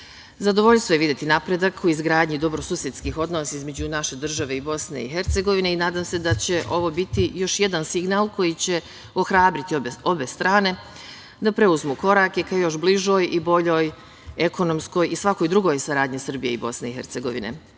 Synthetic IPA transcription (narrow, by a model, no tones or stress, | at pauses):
zad̪o̞ʋo̞ʎst̪ʋojeid̪jet̪inapɾed̪akʰuizɡɾaːd̪ɲid̪o̞bɾo̞suːsje̞t̪skiːxo̞d̪nosaizme̞d͡ʑunaʃe̞d̪r̩ʒaʋe̞ibo̞sne̞̰ḭɦeɾt̪se̞ɡo̞ʋine̞inaːd̪aːmse̞d̪at͡ɕe̞ʔo̞ʋo̞bit̪ijo̞ʃje̞d̪ansiɡnaːlˠkʰo̞jit͡ɕe̞ | o̞xɾaːbɾit̪io̞be̞st̪ɾaːne̞ | d̪apɾe̞uzmuko̞ɾake̞kajo̞ʃbliʒo̞jibo̞ʎo̞ːj | e̞ko̞no̞msko̞jisʋako̞jd̪ɾuɡo̞jsaɾaːd̪ɲisɨr̩bije̞ibo̞sne̞ixe̞ɾt̪se̞ɡo̞ʋinḛ